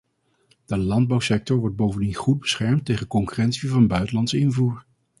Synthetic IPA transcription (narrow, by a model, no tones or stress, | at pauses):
d̥əlɑnd̚bɑwsɛk̚tɔɹʋɔɹd̚bowvəndinχud̚bəsχɛɹmtejχənkɔŋkyrɛntsivɑnbœɥtəlɑntsɪnvuːɹ